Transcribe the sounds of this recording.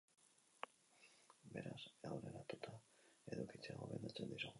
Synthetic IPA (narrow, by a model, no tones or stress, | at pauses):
be̞ɾasawɾenat̪ot̪ae̞̰ðukit͡seaɣoβe̞nd̪at͡se̞nd̪isoɣ